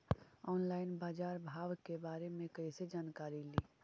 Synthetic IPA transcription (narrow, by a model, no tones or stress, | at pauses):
ɔːnlaɪnbaːd͡ʒaːɾbʱaʋkebaːɾemẽkəised͡ʒaːnkaɾili